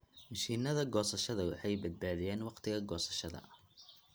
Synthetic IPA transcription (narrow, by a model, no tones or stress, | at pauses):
mɐʃiːnɐðɐɡɔːsɐʃɐðɐwɑħɑjbɐd̪̚baːðɪjɛːnwɑqt̪ʰɪɣɐɡɔːsɐ̥ʃɐðɐ̰